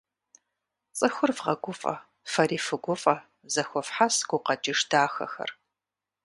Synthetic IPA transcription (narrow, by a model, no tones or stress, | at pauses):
t͡sʼɨxʷʊrvʁɐɡʷʊfʼɐ̰ | fɐɾiːfɨɡʷʊfʼɐ | zɐxʷɔfħasɡ̥ʷʊqɐt͡ʃʼɪʂdaːxɐ̰xɐ̰r